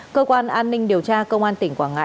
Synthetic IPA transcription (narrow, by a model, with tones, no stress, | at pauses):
kəː˧kwaː˧nʔaː˧nːï˧ŋ̟ɗi˨˩əwt͡ɕaː˧kə˧wŋ͡mʔaː˧nt̪ï˧˩ŋ̟kwaː˧˩nŋa̰˧